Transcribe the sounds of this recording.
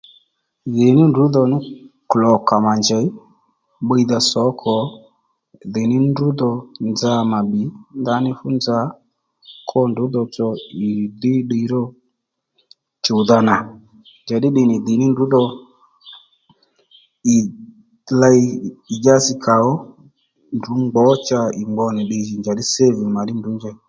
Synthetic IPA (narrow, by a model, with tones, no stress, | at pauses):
ðɪ˨nɪ˦ndʊ˨˦ðɔ˨nɪ˦klɔ˨ka˨ma˨nd͡ʒɛ˨˦ | ɓə˧jða˧sɔ˨˦kʰɔ˨˦ | ðɪ˨nɪ˦ndu˦d̪ɔ˨nd͡za˧ma˨ɓi˨˦nd̪a˧˦nɪ˦fʊ˦nd͡za˧˦ | kʰɔ˦ndʊ˨˦ðɔ˧t͡sɔ˧ɪ˨d̪ɪ˦ɗi˧˦ɾɔ˦ | t͡ʃʊ˨ða˧na˨ | nd͡ʒa˨ɗɪ˦ɗɪ˨nɪ˨ðɪ˨nɪ˦ndu˨˦dɔ˧ | ɪ˨ | la˧jɪ˨d͡ʒa˦sɪ˧kʰa˨ɔ˦ | ndu˨˦ŋ͡mɡ͡bɔ˨˦t͡ʃa˧ɪ˨ŋ͡mɡ͡bɔ˧nɪ˨ɗɪ˧ʒɪ˨nd͡ʒa˨ɗɪ˦se˦vi˨ma˨ɗɪ˦ndu˨˦nd͡ʒɛ˧